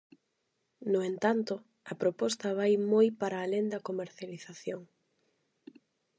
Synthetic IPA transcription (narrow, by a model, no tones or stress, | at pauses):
nʊent̪ant̪ʊ | ɐpɾopɔst̪ɐβajmojpaɾaːlend̪ɐkomeɾθjaliθaθjoŋ